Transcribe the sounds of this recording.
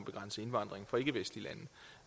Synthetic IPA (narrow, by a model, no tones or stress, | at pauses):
b̥e̝ɡ̥ʁɑ̈n̰səe̝nʋɑ̈nd̥ʁeŋfɒ̽e̝ɡ̥əʋesd̥lilænð̩